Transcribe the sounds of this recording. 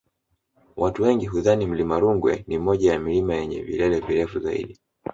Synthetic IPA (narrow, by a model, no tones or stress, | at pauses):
wʔatuwɛŋɡiɦuðanim̩limaɾuŋɡwɛnimɔʄajamilimajɛɲɛ̰vḭlɛlɛviɾɛfuzaḭɗi